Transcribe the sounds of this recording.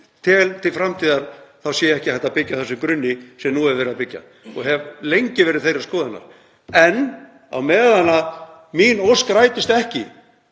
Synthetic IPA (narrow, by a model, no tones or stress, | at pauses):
t̪ʰɪlt̪ʰɪlfɾamt̪ʰiːðaɾ̥θawsjɛɛhcɪhɛht̪aðpɪcːaθɛsːʏkɾʏnːɪsɛmnuːɛvvɛːɾɪðaðpɪcːa̰ | ɔɣɦɛvlejɲcɪvɛːɾɪðθejɾaskɔːðanːa̰ɾ̥ | ɛn | a̰wmɛːðanað | minowskɾaːjt̪ɪst̪ɛhcɪ